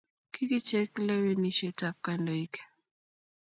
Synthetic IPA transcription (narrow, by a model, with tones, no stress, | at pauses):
kʰi˦ki˦t͡ʃɛ˦klɛ˦we˦ni˦ʃe˦ta˨p̚ka˨ndo˨i˦k